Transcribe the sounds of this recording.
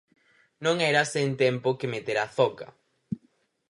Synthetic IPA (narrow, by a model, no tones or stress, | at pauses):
nõŋɛɾasent̪empokemet̪eɾaθɔkɐ̰